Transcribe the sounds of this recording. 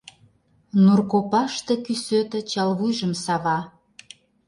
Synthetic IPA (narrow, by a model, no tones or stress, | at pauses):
nurkopɑʃt̪ĕkysøt̪ə̆t͡ɕɑlβujʒə̆msɑβɑ